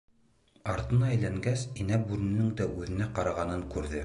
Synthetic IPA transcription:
ɑɾt̪ɤ̆nɑæjlæŋɡæsinæbʉɾɘ̆nɘŋd̪æʔʉðɘ̆næqɑɾɑʁɑnɤŋkʉɾðɘ

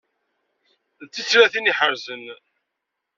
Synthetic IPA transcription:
t͡sːit͡sːɾæθiniħəɾzən

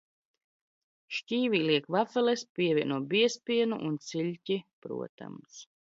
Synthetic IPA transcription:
ʃcʲiːviːliɛkvafɛlespʲiɛvʲiɛnuɔbiɛspʲiɛnṵʔunt̪siʎʲcipɾṵɔt̪a̰ms

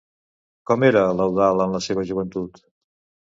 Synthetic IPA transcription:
kɔmeɾələwðalˠənləseβəʒuβənt̪ut̪

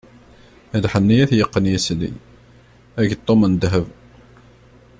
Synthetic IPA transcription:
æd̪ħənːijæθjəqːənjæslḭ | æʝət̪ˤːomənd̪ɦəv

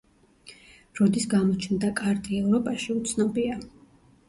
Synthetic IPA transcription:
ɾɔd̪isɡamɔt͡ʃʰnd̪akʼaɾt̪ʼiɛvɾɔpʼaʃiut̪sʰnɔbia

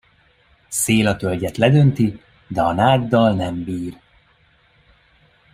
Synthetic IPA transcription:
seːlɒt̪ølɟɛt̪lɛd̪ø̞nt̪i | d̪ɛɒnaːɡd̪ɒlnɛmbiːr

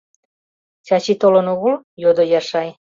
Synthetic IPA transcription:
t͡ɕɑt͡ɕit̪olənoɣəl | jod̪ojɑʃɑj

